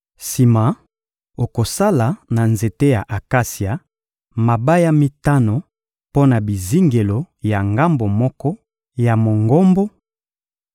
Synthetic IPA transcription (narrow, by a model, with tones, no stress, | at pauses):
si˨ma˨ | o˨ko˨sa˦la˨na˨nze˨te˦ja˨ʔa˨ka˦si˨a˨ | ma˨ba˦ja˦mi˦ta˦no˨ | po˦na˨bi˨zi˦ŋɡe˨lo˨ | ja˨ŋɡa˦mbo˨mɔ˦kɔ˦ | ja˨mo˨ŋɡo˦mbo˦